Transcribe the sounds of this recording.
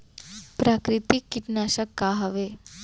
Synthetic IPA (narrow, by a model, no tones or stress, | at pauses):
pɾakɾit̪ikːiʈnaɕəkːaɦəʋe